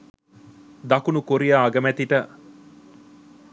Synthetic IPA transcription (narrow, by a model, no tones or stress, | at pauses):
d̪ɐkunukoɾijaːɡɐmæt̪iʈə